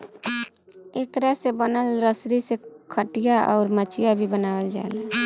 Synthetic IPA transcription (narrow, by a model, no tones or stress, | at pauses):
ekɾasebənəlɾəsɾisekʰəʈijaʔɔ̰ːɾmət͡ʃʰijabʱibənawəld͡ʒa̰lɛ